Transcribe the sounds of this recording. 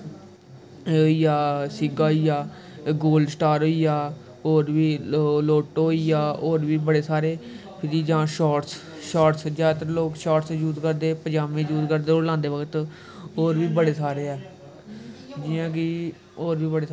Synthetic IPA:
oiːjaːsɪɡaːijaː | ɡoːlɖsʈaːɾɦoːiːjaː | oːɾʋiːloːʈɦoːiːjaːoːɾʋiːbəɽeːsaːɾeː | pʰɪɾiːd͡ʒãːʃaːʈs | ʃaːʈsd͡ʒaːt̪əɾloːkʃaːʈsd͡ʒuːt̪kəɾd̪eːpəd͡ʒaːmẽːd͡ʒuːt̪kəɾd̪eːoːɾlãːnd̪eːʋəkt̪ | oːɾʋiːbəɽeːsaːɾeːɛː | d͡ʒɪːãːkiː | oːɾʋiːbəɽeː

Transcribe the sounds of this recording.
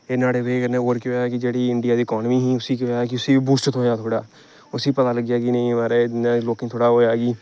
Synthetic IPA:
eːnaːɽeːbeːkənẽoːɾkjoakɪd͡ʒeːɽiːɪɳɖɪjaːd̪iːɪkɔːnmiːɦiːʊsiːkoaːkɪʊsiːbuːsʈt̪ʰõːjaːt̪ʰoːɽaː | ʊsĩːpət̪aːləɡɪjaːkinə̃ĩːʋaːɾeːneːloːkɪŋt̪ʰoːɽaːɦoːjaːɡiː

